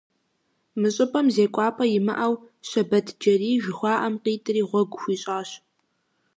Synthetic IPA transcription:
mɨɕʼɪpʼɐmzeːkʷʼɑːpʰʼɐjɪmɐ̰ʔɐw | ɕɐbɐtʰd͡ʒɐriːʒɪxʷɑːʔɐmqiːtʼɨriːʁʷɔɡʷʊxʷiːɕʼaːɕ

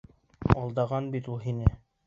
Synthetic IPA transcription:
ɒlˠd̪ɑʁɑnbit̪ulˠɦinɘ

